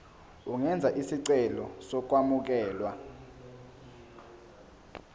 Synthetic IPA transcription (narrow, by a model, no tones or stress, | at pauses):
uŋɛnd͡zʱaʔisiǀɛlɔsɔk̬ʼwamuk̬ɛːlwa